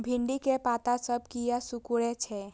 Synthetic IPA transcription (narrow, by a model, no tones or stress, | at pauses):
bʱɪ̃ɳɖikepaːt̪asəb̚kijasukuɽet͡ʃʰɛ